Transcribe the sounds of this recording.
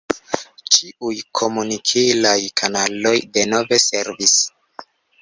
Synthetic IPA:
t͡ʃiujkʰo̞munikʰilajkʰanalo̞jde̞no̞ve̞se̞ɾvis

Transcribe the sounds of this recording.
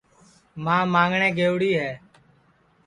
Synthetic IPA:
mãːmãːŋɡɳẽːɡeːʊɽiːɦɛː

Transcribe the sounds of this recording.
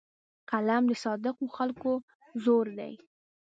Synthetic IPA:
kalamd̪əsɑd̪ɪqoxalko | zoɾd̪a̰j

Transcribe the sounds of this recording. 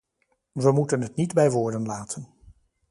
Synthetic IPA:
ʋəmutənɦətnidbɛjʋʊːɹdənlaːtʰən

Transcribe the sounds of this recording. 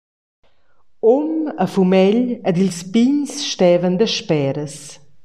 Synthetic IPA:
oməfumɛʎəd̪ilspiɲsʃtɛːvənd̪əʃpɛɾəs

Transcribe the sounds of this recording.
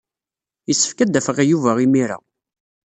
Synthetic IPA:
jəsːə̥fkæd̪ːæfəʁæjuvæʁimiɾa̰

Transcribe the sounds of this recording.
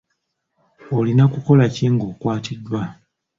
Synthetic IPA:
olinakuko̞laciŋɡo̞ːkwaːtʰidːwa

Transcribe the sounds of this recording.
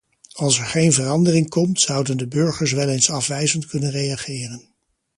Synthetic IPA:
ɑlˠsɛɹχejnvərɑndərɪŋkɔmtsʌwdəndəbɵɹχəɹs̬ʋɛlejnsɑfʋɛjzəntkɵnənrejɑχɪːrən

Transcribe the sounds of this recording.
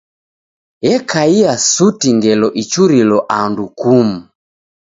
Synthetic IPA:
jɛkʰaiasutiŋɡɛlɔʔit͡ʃuɾilɔʔandukumu

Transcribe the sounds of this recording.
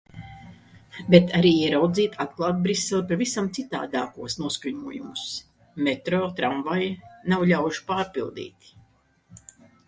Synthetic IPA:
bet̪ʰaɾiːiɛɾawd̪ziːt̪ʰat̪̚klˠaːt̪̚bɾisːelˠpaɾvisamt̪sit̪a̰ːd̪aːkuɔsnuɔskuɲuɔjumus | mɛt̪ɾɔt̪ɾaɱvajnawʎʲawʃpaːɾpilˠd̪ḭːt̪

